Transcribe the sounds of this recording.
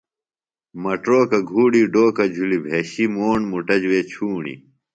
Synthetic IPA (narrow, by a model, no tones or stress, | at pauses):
mɐʈɾoːkɐɡʱuːɖiːɖoːkɐd͡ʑʱulibʱeːɕimoːɳmuʈɐd͡ʑweːt͡ɕʰuːɳḭ